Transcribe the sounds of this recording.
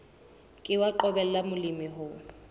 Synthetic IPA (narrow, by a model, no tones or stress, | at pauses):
kʼɪwaǃɔbɛl̩lamʊlimɪɦʊ